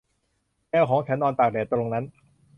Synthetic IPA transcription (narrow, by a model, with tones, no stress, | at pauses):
ŋɛː˧kʰɔː˩˦ŋt͡ɕʰɛ˨˩˥nːɔː˧nt̪aː˨˩k̚dɛː˨˩t̪ɾo˧ŋna˦˥n